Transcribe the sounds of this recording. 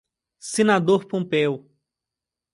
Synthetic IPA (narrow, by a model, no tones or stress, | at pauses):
senad̪oɾpõmpɛw